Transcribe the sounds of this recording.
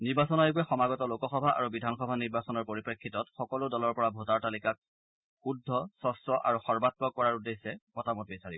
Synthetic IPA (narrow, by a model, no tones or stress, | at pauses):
niɹbasɔnɔjkuɛxɔmaɡɔtɔlokɔxɔbʱaʔa̰ɹubidʱanxɔbʱaniɹbasɔnɔɹpoɹipɹekʰːitɔtxɔkɔlʊdɔlɔɹpɔɹabʱotaɹtalikak̚ | xudʱːɔsɔstɹɔʔa̰ɹuxɔɹbat̚pɔkɔɹaɹudesːɛpɔtamɔtbisaɹibɔ